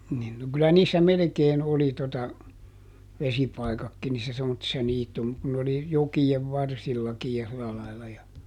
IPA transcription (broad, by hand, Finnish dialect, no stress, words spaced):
nin no kylæ niːsːæ melĕkeːn oli totɑ ʋesipɑikɑkːi niːsːæ semːotːisːɑ niːtum kun n oli jokieʋ ʋɑrsilːɑkij jɑ silɑ lɑilːɑ jɑ